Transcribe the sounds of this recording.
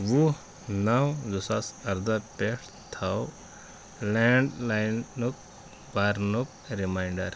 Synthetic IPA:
wu | nawzusasɐɾd̪apeʈʰ | t̪ʰaw | lɛɳɖlajnnuk̚ | baɾnuk̚ɾimajɳɖɐɾ

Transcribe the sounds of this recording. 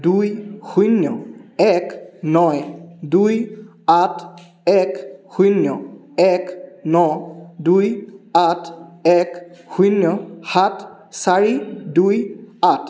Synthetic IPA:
dujxujnjɔɛknɔjduj | atʰ | ɛkxujnjɔ | ɛknɔdujatʰɛkxujnjɔhatʰsaɹidujatʰ

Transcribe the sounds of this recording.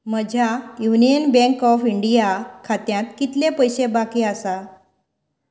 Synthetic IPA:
məd͡ʑʱjajunijənbɛ̃ŋkɔfiɳɖijakʰat̪jãt̪kit̪lepəjɕebakiasa

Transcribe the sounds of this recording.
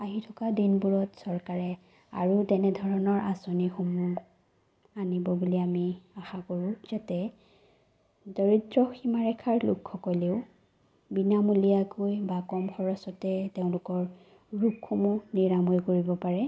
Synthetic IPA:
aɦitʰɔkadinbuɹɔtsɔɹkaɹɛ | a̰ɹutɛnɛdʱɔɹɔnɔɹʔasonixumu | anibɔbuliamiaxakoɹʊ̃z̥atɛ | dɔɹitɹɔximaɹɛkʰaɹlṵkʰːɔkɔleʊ | binamulijakojbakɔmxɔɹɔsɔtɛteʊ̃lʊkɔɹ | ɹukxumuniɹamɔjkoɹibɔpaɹɛ

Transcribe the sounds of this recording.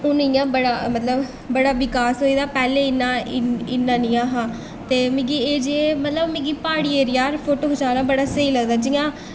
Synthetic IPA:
ʊnɪjãːbəɽaːmət̪ləb | bəɽaːʋɪkaːsɦoːiːd̪aːpɛːleːɪnːãːɪɪnːãːnɪjãːɦãː | t̪eːmĩɡiːeːd͡ʒeːmət̪ləbmĩːɡiːpaːɽiːeːɾijaːɾpʰoːʈoːɦot͡ʃaːɾãːbəɽaːsəiːləɡd̪aːd͡ʒɪjãː

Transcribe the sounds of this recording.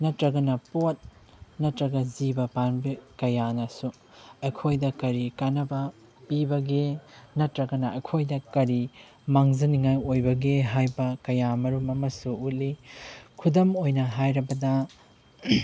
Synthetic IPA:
nɐtɾɐɡɐnɐpot̚ | nɐtɾɐɡɐzibɐpanbikɐjanɐsu | ɐjkʰojdɐkɐɾikanɐbɐ | pibɐɡenɐtɾɐɡɐnɐɐjkʰojdɐkɐɾi | maŋzɐniŋajojbɐɡeɦajbɐkɐjamɐɾumɐmɐsuut̚likʰudɐmojnɐɦajɾɐbɐdɐ

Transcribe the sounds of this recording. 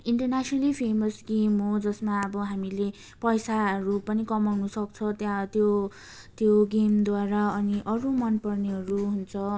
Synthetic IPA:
iɳʈʌrnasʌnʌlipʰemʌsɡemɦod͡zʌsmaʌbʌɦamile | pʌjsaɦʌɾupʌnikʌmawnusʌk̚t͡sʰʌt̪jãt̪jo | t̪joɡemd̪waɾaʌniʔʌɾumʌnpʌrneɦʌɾuɦunt͡sʰʌ

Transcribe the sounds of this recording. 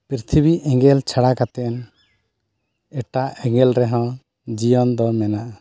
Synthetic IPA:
pɾit̪ʰibiʔɛŋɡɛlt͡ʃʰaɽakat̪ɛn | ɛʈaɛŋɡɛlɾɛɦɔ̃ | d͡ʒijɔnd̪ɔmɛnaʔa

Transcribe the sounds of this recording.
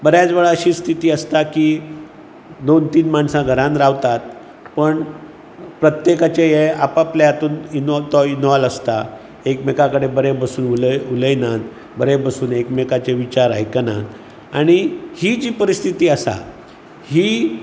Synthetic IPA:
bəɾjad͡zʋəɭaəɕiːst̪ʰit̪iːəst̪akiː | d̪ont̪iːnmaɳsãɡʱəɾãnɾaʋt̪at̪̚ | pəɳ | pɾət̪jekat͡ɕejeapapljat̪uːnint̪ɔinʋaləst̪a | ekmekakəɽebəɾebəsuːnululəjnan | bəɾebəsuːnekmekat͡ɕeʋit͡ɕaɾa̰jkənã̰n | aɽ̃ihiːd͡ʑiːpəɾist̪ʰit̪iːəsa̰ | hiː

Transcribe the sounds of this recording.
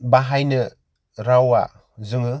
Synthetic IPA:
baɦajnɯ | ɾawa̰ | zɯŋɯ

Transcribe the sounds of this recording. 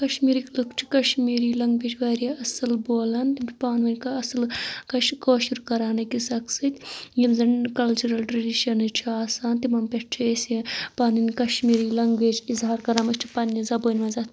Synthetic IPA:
kɐʃmiːɾiklɨkʰt͡ʃʰi̥kɐʃmiːɾilɐŋɡbeːt͡ʃʰʋɐːɾiɐsɐlboːlɐnt̪imʲpaːnʋɐnʲkɐɐsɨlkɐʃkoːʃiɾkɐɾaːnɐkisɐksɨt̪ʲjimzɐnkɐlt͡ʃuɾɐlʈɾɐɖiʃɐnɨt͡ʃʰiaːsaːnt̪imɐmpeʈt͡ʃʰesipaːninʲkɐʃmiːɾilɐŋɡʋeːd͡ʒizɦaːɾkɐɾaːmɐt͡ʃt͡ʃʰi̥pɐnːizɐboːnʲmɐnzat̪

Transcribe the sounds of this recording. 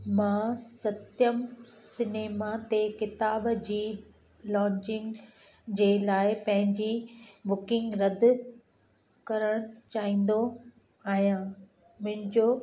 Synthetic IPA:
mãːsɐt̪jəmsɪneːmat̪ekɪt̪aːbd͡ʑiː | lɔ̃ːɲt͡ɕɪ̃ŋɡ | d͡ʑeːlaːɪpɐ̃ɦɪ̃ɲd͡ʑibʊkɪ̃ŋɡɾɐd̪ʱ | kɐɾəɽ̃ʊt͡ɕaːɦĩːn̆d̪o | aːɦijãː | mʊ̃ɦɪ̃ɲd͡ʑoː

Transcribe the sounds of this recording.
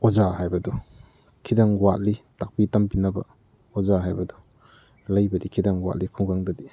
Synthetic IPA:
ozaɦajbɐdu | kʰidaŋwat̚litak̚pitampinɐbɐ̰ | ozaɦajbɐdu | lɐjbɐdikʰidaŋwa̰t̚likʰuŋɡaŋdɐdi

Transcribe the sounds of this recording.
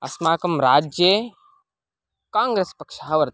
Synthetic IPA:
ɐ̰smaːkɐmɾaːd͡ʒje | kãːŋɡɾeːspɐkʃaːʋɐɾt̪

